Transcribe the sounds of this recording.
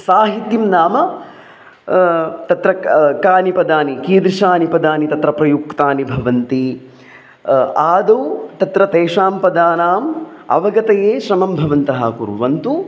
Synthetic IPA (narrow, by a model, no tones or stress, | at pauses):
saːɦit̪jimnaːmɐ | t̪ɐt̪ɾɐkaːnipɐd̪aːnikiːd̪ɾiʃaːnipɐd̪aːnit̪ɐt̪ɾɐpɾɐjukt̪aːnibʱɐʋɐnt̪i | aːd̪owt̪ɐt̪ɾɐt̪eːʂaːmpɐd̪aːnaːmɐ̰ʋɐɡɐt̪ɐjeːʃɾɐmɐmbʱɐʋɐnt̪ɐɦɐ̰kṵɾʋɐnt̪u